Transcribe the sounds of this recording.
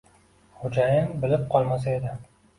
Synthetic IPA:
χʊd͡ʒajɪnbɪlɪp̚qʰɒlˠmas̬ae̞d̪ɪ

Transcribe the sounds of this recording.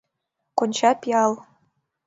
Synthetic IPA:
konʲt͡ɕɑpʲiɑlˠ

